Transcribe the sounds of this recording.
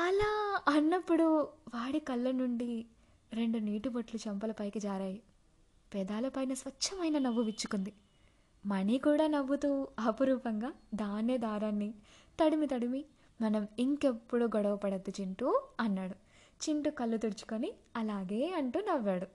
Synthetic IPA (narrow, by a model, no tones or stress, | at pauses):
ɐlaːɐnːɐpːuɽuʋaːɽikɐlːɐnuɳɖi | ɾe̞ɳɖuniːʈubɐʈlut͡ʃɐmpɐlɐpɐjkid͡ʒaːɾaːji | pɛːd̪aːlɐpɐjnɐsʋɐt͡ʃːt͡ʃːɐmɐjnɐnɐʋːuʋit͡ʃːu̥kund̪i | mɐnikuːɽaːnɐʋːut̪uːɐpuɾuːpɐŋɡaːd̪aːneːd̪aːɾɐnːit̪ɐɽimit̪ɐɽimi | mɐnɐmiŋke̞pːuɽuːɡɔɽɐʋɐpɐɽɐd̪ːut͡ʃiɳʈuɐnːaːɽu | t͡ʃiɳʈukɐlːut̪uɽut͡ʃu̥koniɐlaːɡeːɐɳʈuːnɐʋːaːɽu